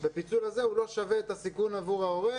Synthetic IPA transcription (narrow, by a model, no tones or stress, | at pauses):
bepit͡sulaze̞hulo̞ʃaveːt̪asikunavuʁao̞ʁe